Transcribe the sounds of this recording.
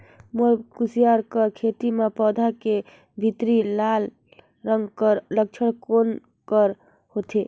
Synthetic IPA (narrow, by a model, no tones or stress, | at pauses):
moɾkusijaɾkəkʰet̪imepɔd̪ʱake | bʱit̪ɾilal | ɾəŋɡkəɾlək̚t͡ʃʰəɽkon | kəɾ | hot̪ʰe